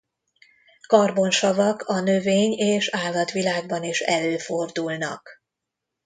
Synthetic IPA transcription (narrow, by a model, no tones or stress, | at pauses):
kɒrbo̞nʃɒvɒkʰɒnøveːɲeːʃaːlːɒt̪ʋilaːɡ̚bɒniʃɛløːfo̞rd̪ulnɒ̰k